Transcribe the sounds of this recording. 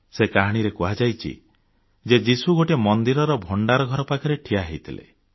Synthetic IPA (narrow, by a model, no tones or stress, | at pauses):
sekaɦaɽ̃iɾekuɦad͡ʒajt͡ʃʰḭ | d͡ʒed͡ʒisuɡoʈemɔnd̪iɾɔɾɔbʱoɳɖaɾɔɡʱɔɾɔpakʰɔɾeʈʰijaɦejt̪ʰilḛ